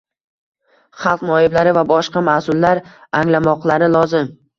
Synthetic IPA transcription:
χɑlˠqnɒjɪblaɾɪvabɒʃqɑmasʊlːaɾaŋlamɒqlˠaɾɪlˠɒzɪm

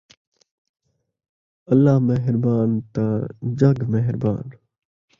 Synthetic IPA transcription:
əlːaːɦmeɦɪɾbaːnt̪ãːd͡ʒəɡmeɦɪɾba̰ːn

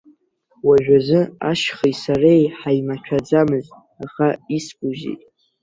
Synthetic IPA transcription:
waʒᶣazɨaʃχisarejħajmat͡ʃʷᶣʰad͡zamɨz | aχaiskʼuʒḭtʼ

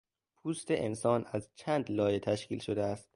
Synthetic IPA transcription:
pʰuːst̪ʰe̞ʔensɒːnæzt͡ʃʰæːnd̪lɒːjet̪ʰæʃciːlʃod̪eæst̪̚

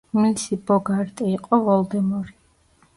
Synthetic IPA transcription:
milisibɔɡaɾt̪ʼiːqʼɔvɔld̪ɛmɔɾi

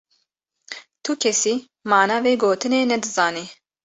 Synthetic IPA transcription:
t̪ʰukʰɛsiː | maːnaːveːɡoːt̪ɨneːnɛd̪ɨzaːniː

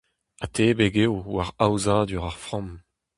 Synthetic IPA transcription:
at̪ʰebeɡewwaʁawzad̪yʁaʁfʁɔ̃m

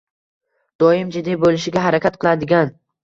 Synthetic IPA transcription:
d̪̥ɒjɪmd͡ʒɪd̪ajbolˠɪʃɪɡʲaɦaɾakʲat̪̚qʰɨlˠad̪ɪɡʲan

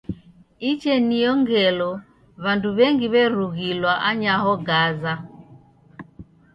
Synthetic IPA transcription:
it͡ʃɛnijɔŋɡɛlɔ | βanduβɛŋɡiβɛɾuɣilwaʔaɲaɦɔɡaza

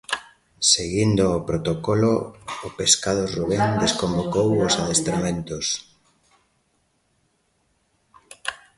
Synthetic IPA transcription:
seɣind̪ʊːpɾot̪okoloʊpeskaðoruβeŋd̪eskombokowosaðest̪ɾamẽnt̪os

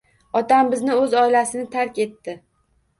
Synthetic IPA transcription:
ɒt̪ambɪznɪɵzɒɪlasɪnɪt̪ʰaɾkʲe̞t̪ːɪ

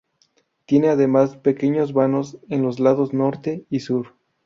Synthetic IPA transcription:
t̪je̞neaðe̞maspe̞ke̞ɲo̞zβano̞se̞nlo̞zlaðo̞zno̞ɾt̪e̞isuɾ

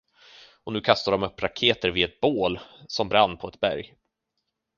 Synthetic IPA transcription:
ɔnʉ̟ːkʰast̪ad̪ɔmɵpːɾakʰeːt̪əɾvɪɛt̪̚boːlsɔmbɾanːpʰɔɛt̪bæ̰ɾj

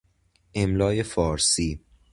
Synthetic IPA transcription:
ʔemlɒːjefɒːɾsiː

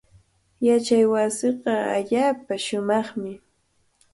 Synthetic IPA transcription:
jat͡ʃajwasɪqɑa̰ʎaːpaʃʊmɑχmɪ

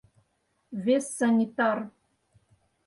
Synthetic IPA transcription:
vesːanʲit̪ar

